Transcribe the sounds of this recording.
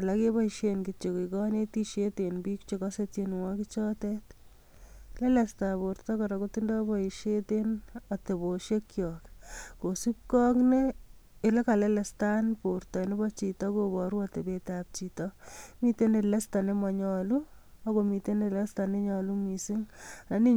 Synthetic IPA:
alakebɔiʃenkit͡ʃekikɔnetiʃetenbikt͡ʃekɔsetjenuŋakit͡ʃɔtet | lelɛstapoɾtɔkɔɾɔkotindɔbɔiʃetenateboʃekːjɔːkkosip̚kɔkneː | lekalɛlestanportɔinebɔt͡ʃitɔkobɔɾuatebetap̚t͡ʃitɔmitenelestanemaɲɔluɔkomitenelestaneɲɔlumisiŋnani

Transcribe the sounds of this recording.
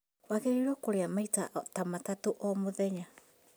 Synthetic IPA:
waɣeɾiɾɔkoɾeamaitaʔtamatatoʔɔmoðɛɲa

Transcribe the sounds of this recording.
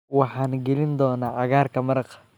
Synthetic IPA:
wɑħɑːnɡɛlɪnd̪ɔːnaːʕɑɣaːrkʰɐmɐɾɐq

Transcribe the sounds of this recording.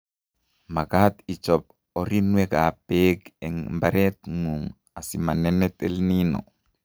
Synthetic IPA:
makat̪it͡ʃɔp̚ | ɔɾinwɛkapekɛŋmbaɾɛt̪ŋuŋ | asimanɛnɛt̪ɛlninɔ̰

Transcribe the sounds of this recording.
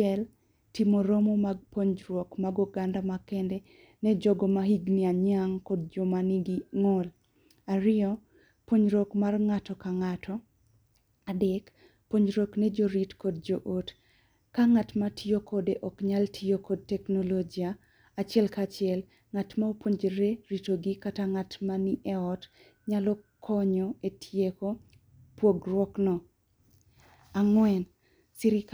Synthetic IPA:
ɛl | timoɾomomaɡ̚poɲd͡ʒɾwɔkmaɡuɡandamakɛndɛ | nɛd͡ʒɔɡɔmaɦiɡniaɲaŋkɔd̚d͡ʒɔmaniɡiŋɔl | aɾɪɔ | pwoɲɾɔkmarŋatɔkaŋatʰɔ | adɛk | poɲɾɔknɛd͡ʒoɾitkɔd̚d͡ʒoʔot | kaŋatmatijokʰɔdeʔɔkɲaltʰijokʰɔd̚tɛknɔlod͡ʒiaː | t͡ʃɛlkat͡ʃɪɛl | ŋatmaopoɲd͡ʒɾeɾitoɡikataŋatmaniʔɛɔt | ɲalɔkʰɔɲɔetʰjeko | pwoɡrwɔknɔ | aŋwɛn | siɾɪk

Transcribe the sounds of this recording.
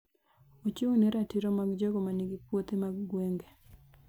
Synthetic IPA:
ot͡ʃuŋnɛɾatiɾɔmaɡd͡ʒɔɡɔmaniɡipwot̪emaɡɡweŋɡe

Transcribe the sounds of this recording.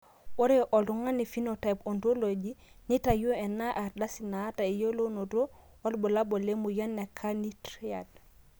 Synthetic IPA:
woɾeʔoltuŋanifinotajpontoloɟinitajuenːaʔaɾdasinataijolonodo | walbulabolemujanːekʰːanitɾia̰d̚

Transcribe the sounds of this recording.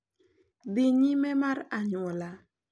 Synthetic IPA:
dɪɲimɛmaɾaɲɔla

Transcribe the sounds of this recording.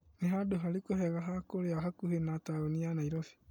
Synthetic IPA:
neɦadoɦaɾikohɛɣaɦakoɾeaɦakuhenataonianaiɾɔfi̥

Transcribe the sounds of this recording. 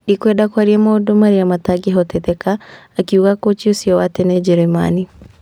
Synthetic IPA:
nikwɛdakwaɾiɛmɔːdomaɾiamataɡiɦɔtɛtɛkaː | kiuɣakot͡ʃosiɔwatenɛd͡ʒɛɾɛma̰ni

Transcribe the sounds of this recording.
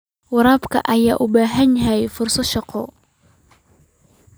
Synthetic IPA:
wɑɾaːbkʰɐ̰ʔɐjaːʔʊbaːɦɐɲɦɛjfʊrsɐʃɑqʰɔ

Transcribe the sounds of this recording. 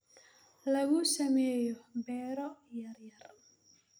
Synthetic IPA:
lɐɣʊsɐmɛːjɔbɛːɾɔjɐɾjɐr

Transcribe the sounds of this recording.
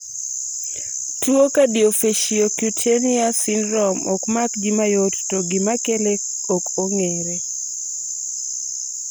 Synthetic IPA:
tuokadiofeʃiokjutʰeniasinɾɔmɔkmakd͡ʒimajottɔɡimakele | okoŋeɾe

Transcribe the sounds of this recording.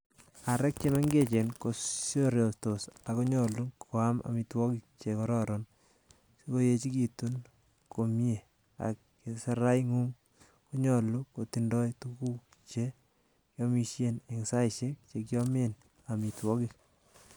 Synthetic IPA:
aɾɛk̚t͡ʃemaŋɡet͡ʃenkosjoɾjostosakuɲɔlukʰoama̰mitwɔkik̚t͡ʃekɔɾɔɾɔn | sikojet͡ʃikitun | komje | a̰kː | isaɾajŋuŋ | kuɲɔlukotindɔjtukuk | t͡ʃe | kjɔmiʃjeneŋsajʃek̚t͡ʃek̬jɔmen | amitwɔkik̚

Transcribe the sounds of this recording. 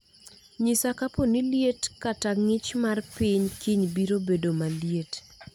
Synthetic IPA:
ɲisakaponiljetkataŋɪt͡ʃmarpɪɲkiɲbiɾobedomaljet

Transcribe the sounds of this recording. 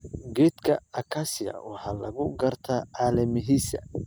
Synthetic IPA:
ɡɛd̪kʰɐɐkʰasɪjɐ̰wɑħɑːlɐ̰ɣʊɡɐrt̪ʰɐʕɑːlɐmɪɦiːsɐ

